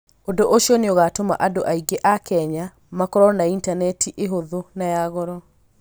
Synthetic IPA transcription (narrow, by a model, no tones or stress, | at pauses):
odoʔoʃiɔneoɣatoma̰ʔadoʔaiɡeʔakɛɲa | makɔɾɔnaintanɛtʰiʔeɦoðonajaɣɔɾɔ